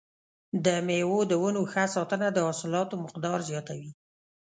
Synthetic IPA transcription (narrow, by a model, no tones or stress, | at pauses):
d̪əmewod̪əwənoxasɑt̪ənad̪əɑsɪlɑt̪omɪqd̪ɑɾzjɑt̪awi